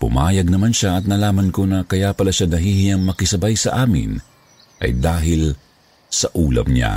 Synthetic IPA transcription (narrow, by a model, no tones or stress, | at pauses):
pʊ̰maːjɐɡ̚nɐmanʃaɐt̪̚nɐlaːmɐnko̞nɐkɐjapɐlaʃanɐɦihɪjaŋmɐkɪsɐbajsɐʔaːmɪ̰n | ʔɐ̰jd̪aːɦɪl | sɐʔuːlɐ̰mɲa̰